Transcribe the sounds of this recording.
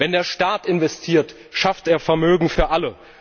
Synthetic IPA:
vɛndeːɐʃtaːtɪnvɛstʰiːɐt | ʃaftʔeːɐfɛɐmøːɡŋ̩fyːɐʔalə

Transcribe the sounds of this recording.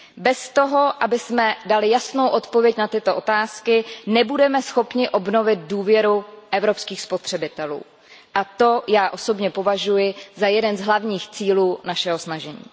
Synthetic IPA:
bɛst̪o̞ɦo̞ʔabɪsmɛdalɪjasno̞wʔo̞t̪po̞vjɛcnat̪ɪt̪o̞ʔot̪aːskɪnɛbudɛmɛsxo̞pɲɪʔo̞bno̞vɪd̪̚duːvjɛɾuʔɛvɾo̞pskiːxspo̞t̪r̝̥ɛbɪt̪ɛlṵː | ʔat̪o̞jaːʔo̞so̞bɲɛpo̞vaʒujɪzajɛdɛnzɦlavɲiːxt͡siːluːnaʃɛɦo̞snaʒɛɲḭː

